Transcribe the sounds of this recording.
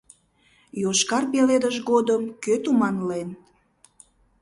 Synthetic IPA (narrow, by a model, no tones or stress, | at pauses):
joʃkɑrpeled̪əʒɡod̪əmkøt̪umɑnlen